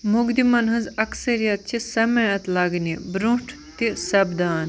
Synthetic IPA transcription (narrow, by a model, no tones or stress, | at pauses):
muɡd̪imɐnɦɐ̃nzɐksɐɾijɐt̪̚t͡ʃʰisɐmɐjɐt̪lɐɡnibɾũʈʰ | t̪isɐbd̪aːn